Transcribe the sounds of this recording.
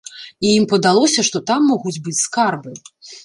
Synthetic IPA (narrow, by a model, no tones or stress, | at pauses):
ijimpɐd̪alˠɔsʲɐʂt̪ɔt̪amːɔɣud͡zʲbɨt͡sʲskarbɨ